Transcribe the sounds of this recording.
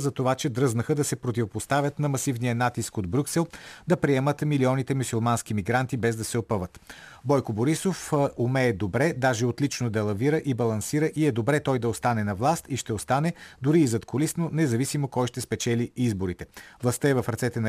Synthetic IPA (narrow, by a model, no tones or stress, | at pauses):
zɐt̪ovat͡ʃɛd̪ɾɤznəxəd̪ɐsɛpɾot̪ʲivopost̪avʲjət̪nɐmɐsivnijənat̪iskod̪bɾʲuksɛlˠd̪ɐpɾiɛmət̪miliɔnit̪ɛmʲusulˠmansk̟imiɡɾant̪ibɛzd̪ɐsɛopəvət̪ | bɔjkoboɾisofomɛːd̪obɾɛd̪aʒɛot̪lit͡ʃnod̪ɐlˠɐviɾəʔibɐlˠɐnsiɾəʔiɛd̪obɾɛt̪ɔjd̪ɐost̪anɛnɐvlˠast̪iʃt̪ɛost̪anɛd̪ʊɾiːzət̪kʰolisnonɛzɐvisimokɔjʃt̪ɛspɛt͡ʃɛliizboɾit̪ɛvlˠɐst̪əɛvɐfɾɐt̪sɛt̪ɛn